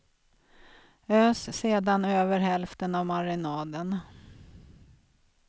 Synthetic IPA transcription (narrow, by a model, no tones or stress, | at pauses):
øːsseːd̪anøːvəɾɦɛlft̪ənavmaɾɪnɑːd̪ən